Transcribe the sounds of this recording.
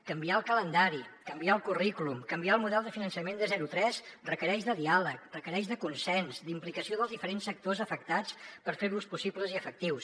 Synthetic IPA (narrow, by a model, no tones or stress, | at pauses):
kəmbiaəlˠkələnd̪aɾikəmbiaəlˠkurikulumkəmbiaəlˠmuðɛlˠd̪əfinənsəmend̪əzɛɾut̪ɾɛzrəkəɾɛʃðəðialək̚rəkəɾɛʃðəkunsɛnzd̪implikəsioðəlˠzðifəɾensək̚t̪ozəfək̚t̪at͡spəɾfeɾuspusipləziəfək̚t̪iws